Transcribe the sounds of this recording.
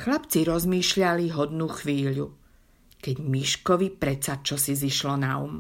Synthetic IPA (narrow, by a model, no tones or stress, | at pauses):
xlapt͡siɾɔzmiːʃʎaliɦɔd̪nuːxʋiːʎu | kɛɟmiʃkɔʋipɾɛt͡sat͡ʃɔsiziʃlɔnaṵm